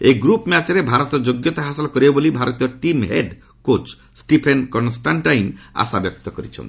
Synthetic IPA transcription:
eɡɾupmat͡ʃɾebʱaɾɔt̪ɔd͡ʒoɡjɔt̪aɦasɔlkɔɾiebolibʱaɾɔt̪iɔʈimɦeɖ | kot͡ʃ | sʈipʰenkɔnsʈanʈajma̰sabjɔk̚t̪ɔkɔɾit͡ʃʰɔ̰̃n

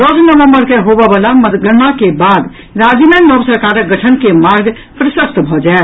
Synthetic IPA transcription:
d̪ɔsnəʋəmbəɾkeɦobebəlaməd̪ɡəɾmakebad̪ | ɾad͡ʒinanɔbsəɾkaɾəkɡəʈʰənkemaɾɡ | pɾəsəst̪bʱɔd͡ʒae

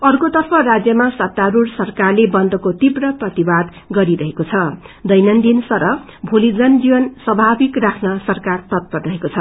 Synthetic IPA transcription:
ʌrkot̪ʌrpʰʌɾad͡zjʌmasʌt̪ːaɾursʌrkarlebʌnd̪ʌkot̪ibrʌprʌt̪ibad̪ | ɡʌɾiɾʌɦekot͡sʰʌ | d̪ʌjnʌnd̪insʌɾʌ | bʱulid͡zʌnd͡ziwʌnsʌbʱabikrakʰnʌsʌrkart̪ʌt̪̚pʌrrʌɦekot͡sʰʌ

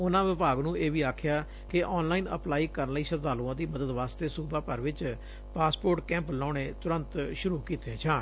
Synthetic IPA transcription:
ʊnãːʋɪbaːɡnũːeːʋiːaːkʰːjaː | kɪʔɔːnlaːiːnə̰plaːiːkəɾənləiːsət̪d̪aːlũːãːd̪iːməd̪əd̪ʋaːst̪eːsuːbãːpəɾʋɪt͡ʃ | paːspoːɾʈkɛ̃ːmplãːneːt̪ʊɾə̃nt̪ʃʊɾuːkiːt̪eːt͡ʃʰãː

